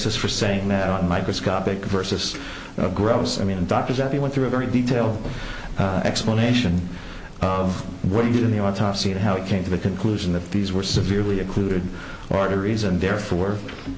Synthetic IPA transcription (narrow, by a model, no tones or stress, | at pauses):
sɨsfə˞seɪɪ̃ŋðɨɾn̩maɪkɹɨskɑpɨkvɜ˞sɨz̥ | ʔʌ̰vɡɹoʊsa̰ɪmĩnɨ̃ndɑk̚tə˞zæpiwɛ̃nθɹʉɨvɛɹiditʰeɪlˠd | ɛ̰kspləneɪʃɨ̃n | ʌvwʌt̚hidɨɾɨ̃nðiɑtʰɑpsiɨ̃nɦaʊikʰẽɪ̃mtʰɨðɨkʰɨ̃nkʰl̥uʒɨ̃n̩ðɨt̪̚ðizwə˞sɨvɪɹlˠiɨ̃kʰl̥uɾɨɾ | ʔɑɹɾə˞izɨ̃nðɛɹfɔɹ